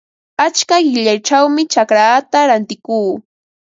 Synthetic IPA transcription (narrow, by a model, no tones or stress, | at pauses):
at͡ʃkaɢɪʎajʈ͡ʂawmɪt͡ʃakɾat̪aɾant̪ɪkuː